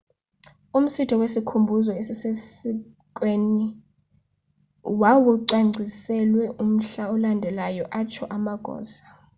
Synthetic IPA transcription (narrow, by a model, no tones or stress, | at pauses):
um̩sitʰɔwesikʰumbʱuzɔesisesi | kʼweni | wawuǀaŋ͡ǀʱisɛlwɛʔum̩ɬaɔlandʱɛlajɔʔat͡ʃʰɔʔamaɡ̥ʱɔ̰ːsḁ